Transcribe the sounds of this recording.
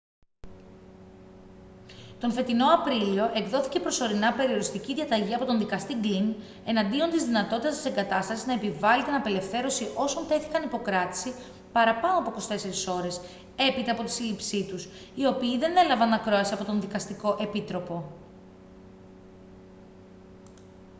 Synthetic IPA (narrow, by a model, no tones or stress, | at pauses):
t̪o̞nfe̞t̪ino̞ɐpɾilio̞ʔe̞ɡðo̞θi̥ce̞pɾo̞so̞ɾinɐpe̞ɾio̞ɾist̪iciðʝɐt̪ɐʝiɐpo̞t̪o̞nðikɐst̪iɡlin | e̞nɐnd̪io̞nt̪izðinɐt̪o̞t̪it̪ɐst̪i̥se̞ŋɡɐt̪ɐst̪ɐsiznɐepivɐlit̪inɐpe̞le̞fθe̞ɾo̞siʔo̞sont̪e̞θi̥kɐnipo̞kɾɐt̪i̥si | pɐɾɐpɐnoɐpoko̞st̪e̞se̞ɾiso̞ɾe̞s | e̞pit̪ɐːpo̞t̪i̥silipsit̪us | io̞piːðe̞ne̞lɐvɐnːɐkɾo̞ɐsiɐpo̞t̪o̞nðikɐst̪iko̞ʔe̞pit̪ɾo̞po̞